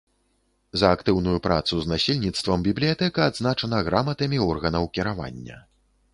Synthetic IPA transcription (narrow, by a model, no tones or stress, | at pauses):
zɐːkt̪ɨwnujupɾa̰t̪suznasʲilʲnʲit̪st̪vɐmbʲiblʲijat̪ɛkɐːd̪znat͡ʂɐnɐɣɾamɐt̪ɐmʲiɔrɣɐnɐwkʲiɾava̰nʲːɐ̰